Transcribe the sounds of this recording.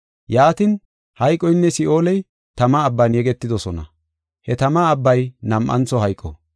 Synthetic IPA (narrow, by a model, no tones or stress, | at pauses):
jaːt̪ɪn | hɐjkʼːɔjnːɛsɪʔo̞ːlɛj | t̪ɐmɐːbːɐnjɛɡɛt̪ːɪd̪ɔsɔnɐ̰ | hɛt̪ɐmɐːbːɐjnɐmʔɐ̰nt͡sɔɦɐjkʼːɔ̰